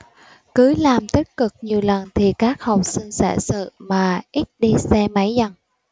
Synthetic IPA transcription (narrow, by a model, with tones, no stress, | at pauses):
kɨ˨˦laː˨˩mt̪ï˦˥k̚kɨ˨˩k̚ɲi˨˩əwlə˨˩nt̪ʰi˨˩kaː˦˥k̚hə˨˩wk͡p̚si˧ŋ̟sɛ̰ː˧˩sɨ̰˧˨maː˨˩ʔi˦˥t̚ɗi˧sɛ˧ma˨˦jzə˧˩ŋ